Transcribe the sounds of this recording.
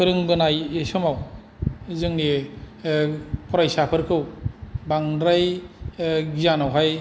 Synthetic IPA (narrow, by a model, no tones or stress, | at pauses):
ɯɾɯŋbɯnajesɯmaw | zɯŋni | pʰɔɾajsapʰɯɾkʰɯwbaŋdɾaj | ɡizanawɦaj